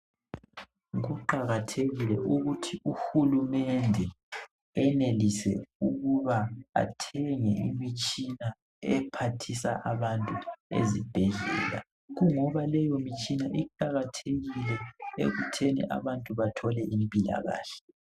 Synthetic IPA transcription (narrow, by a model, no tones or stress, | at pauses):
ɣuǃaɣatʰeɣilɛʔuɣutʰiuxulumɛndʱɛ | ɛnelisɛ̰uɣuβaa̰tʰɛŋɛimit͡ʃʼina | ɛpʰatʰisa̰ʔaβantʼuḛzib̥ʱɛɮɛːla̰ | ɣuŋɔβalɛjomit͡ʃʼinaʔiǃaɣatʰeɣilɛḛɣutʰenḭʔa̰βantʼuβatʰɔlɛʔimpʼila̰ɣa̰ːɬɛ̥